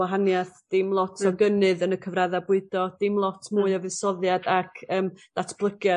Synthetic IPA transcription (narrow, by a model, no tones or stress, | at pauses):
waɦanjaθd̥ɪmlˠɔtʰɔɡənɨðənəkʰəvraðabʊɨdɔd̥ɪmlˠɔtʰmuːɨavɨsɔðjadakʰəːmd̥atʰb̥lˠəɡjɔ